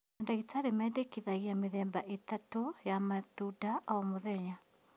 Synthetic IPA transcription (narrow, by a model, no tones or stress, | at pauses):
andaitaɾemɛːdekiðaiamɪðɛːmbaʔetatojamatudaɔmoðɛɲa